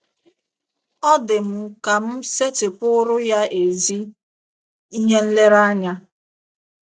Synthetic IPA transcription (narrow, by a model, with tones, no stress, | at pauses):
ɔ˦dɪ˨m̩˨ka˨m̩˦se˦tɪ˨pʊ˦ɾʊ˦ja˦e˨zi˦ | i˦ɦe˦n̩˦le˦ɾa˦ɲa˦